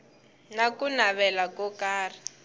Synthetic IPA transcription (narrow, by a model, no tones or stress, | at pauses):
nakunaβɛlakɔkaːri